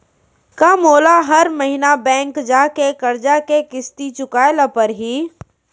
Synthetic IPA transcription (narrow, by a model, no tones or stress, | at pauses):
kɐmoːlaɦɐɾmɐɦinabɛ̃ːŋkd͡ʒaːkekɐɾd͡ʒakekɪst̪it͡ʃʊkaːelɐpəɾɦiː